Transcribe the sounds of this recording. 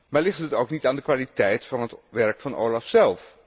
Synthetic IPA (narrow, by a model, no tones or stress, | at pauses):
maːɹlɪχtɦətowknitaːndəkʋaːlitɛjtfɑnɦətʋɛɹkfɑnʔo̰wlɑfsɛlˠf